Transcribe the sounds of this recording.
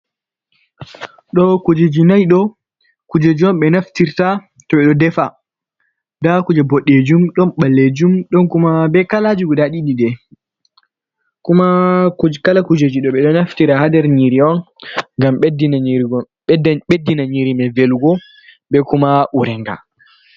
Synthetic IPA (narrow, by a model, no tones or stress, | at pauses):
ɗɔkud͡ʒed͡ʒinajɗɔ | kud͡ʒed͡ʒiɔnɓɛnaftiɾta | tɔɓɛɗɔdɛfa | dakud͡ʒɛbɔɗːed͡ʒumɗɔnɓalːed͡ʒumɗɔnkumabɛkalad͡ʒuɡɔdaɗiɗidɛ | kumakukalakud͡ʒed͡ʒiɗɔɓɛɗɔnaftiɾahadɛɾɲiɾiɔn | ŋɡamɓdinaɾɡ | ɓedːinaɲiɾimɛveluɡɔ | bɛkumaʔuɾɛŋɡa̰